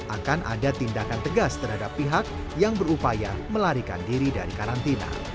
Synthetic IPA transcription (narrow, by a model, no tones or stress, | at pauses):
ʔakanʔa̰dat̪indakant̪əɡast̪ərɦadapːiɦak̚ | jaŋbəɾupajaməlaɾika̰ndiɾidaɾikaɾant̪ina̰